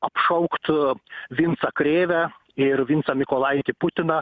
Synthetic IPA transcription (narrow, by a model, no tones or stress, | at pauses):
ɐpʃɐʊkt̪ʋʲɪnt̪sɐkɾʲeːʋʲæ | ɪɾʋʲint̪sɐmʲɪkoːlˠɐɪt̪ʲɪpʊt̪ʲɪnɐ